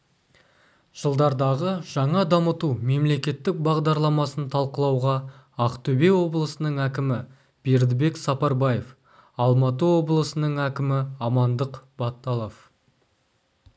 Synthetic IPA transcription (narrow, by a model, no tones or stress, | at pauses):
ʒ̥əlˠd̪ɑɾd̪ɑʁəʒ̥ɑɴɑd̪ɑmət̪ume̞mle̞kʲe̞t̪ːɪk̚bɑʁd̪ɑɾlˠɑmɑsənt̪ʰɑlˠqəlˠɑwʁɑ | ɑqt̪ʰɵbe̞wo̞blˠəsənəɴækʲɪmɪ | b̥e̞ɾd̪ɪbe̞ksɑpɑɾbɑjef | ɑlˠmɑt̪̬əwo̞blˠəsənəɴækʲɪmɪɑmɑnd̪əqb̥ɑt̪ːɑlˠof